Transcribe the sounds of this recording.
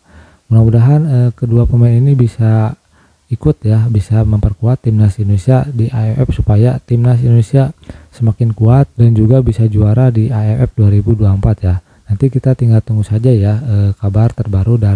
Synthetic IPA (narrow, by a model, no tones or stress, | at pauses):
munamudaɦanəkəduapəmaninibisa | ikʊt̪jabisaməmpərkuat̪ːimnasindonesiadiʔaɛfɛ̰fsupajat̪imnasindonesiasəmakɪnkuat̪̚dand͡ʒuɡabisad͡ʒuaɾadiʔaɛfɛf̚duaɾibuduaəmpat̪ja | nant̪ikit̪at̪iŋɡalt̪uŋɡusad͡ʒajaəkabart̪ərbaɾuda